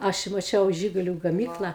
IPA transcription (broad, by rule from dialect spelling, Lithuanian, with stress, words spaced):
ˈɐʃ ɪ mɐˈt͡ʃʲɛʊ ˈʒʲɪɡʊlʲʊ ɡɐˈmʲiːklˠɐ